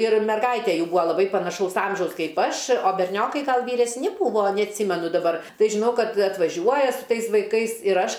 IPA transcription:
ɪr mʲɛrˈɡɐɪtʲeː ˈjuː ˈbuːɐ lˠɐˈbɐɪ pɐnɐˈʃɐʊs ˈɐmʲʒʲɛʊs ˈkɐɪp ˈɐʃ oː bʲɛrʲˈnʲoːkɐɪ ˈɡɐlˠ ʋʲiːrʲɛsʲˈnʲɪ ˈbuːʋoː nʲɛɐtʲˈsʲiːmʲɛnʊ dɐˈbɐr ˈtɐɪ ʒʲɪˈnɐʊ ˈkɐt ɐtʋɐˈʒʲuɔjɛ sʊ ˈtɐɪs ʋɐɪˈkɐɪs ɪr ˈɐʃ

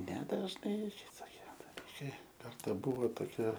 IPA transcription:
nʲɛdɐʒˈnɐɪ tɐɪ toːˈkʲiɛ dɐˈlʲiːkɐɪ ˈkɐrtɐ ˈbʊʋoː toːˈkʲɛ

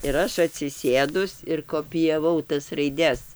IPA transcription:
ɪr ˈɐʃ ɐtʲsʲɪˈsʲeːdʊs ɪr koːpʲɪjɛˈʋɐʊ tɐs rɐɪˈdʲɛs

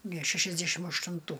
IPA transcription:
nʲɛ ʃʲɛʃʲɛzʲˈdʲæʃʲɪm ɐʃtʊnˈtuː

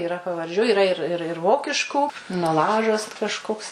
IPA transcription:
ɪˈrɐ pɐʋɐrʲˈd͡ʒʲuː ɪˈrɐ ɪr ˈɪr ɪr ˈʋoːkʲɪʃkuː nɐˈlˠɑːʒɐs t kɐʃˈkoːks

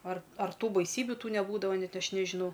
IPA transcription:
ɐr ɐr ˈtuː bɐɪˈsʲiːbʲʊ ˈtuː nʲɛˈbuːdɐʋɐ ˈnʲɛt ˈɐʃ nʲɛʒʲɪˈnɐʊ

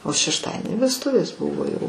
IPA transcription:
oː ʃʲɛʃˈtɑːdʲiɛnʲɪ ʋʲɛsˈtʊʋʲeːs ˈbʊʋoː ˈjɛʊ

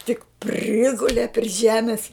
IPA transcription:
tʲɪk ˈpʲrʲɪɡʊlʲɛ pʲrʲɪ ˈʒʲæːmʲɪs

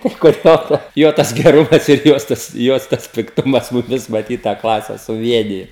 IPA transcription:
tɐɪ kʊr ˈjoː tɐ ˈjoː tɐs ɡʲɛˈrʊmɐs ɪr ˈjoːs tɐs ˈjoːs tɐs pʲɪkˈtʊmɐs mʊˈmʲɪs mɐˈtʲiːt tɑː ˈklˠɑːsʲɛ sʊˈʋʲiɛnʲɪjoː

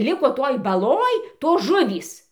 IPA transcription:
ˈlʲɪkoː toːj bɐˈlˠoːj ˈtoːs ˈʒʊʋʲiːs

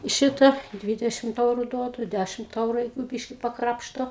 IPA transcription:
ˈʃʲɪtɐ ˈdʲʋʲɪdʲɛʃʲɪmt ˈɛʊrʊ ˈduɔdʊ ˈdʲæʃʲɪmt ˈɛʊrʊ ˈjɛɪɡʊ ˈbʲiːʃʲkʲɪ pɐˈkrɑːpʃtoː

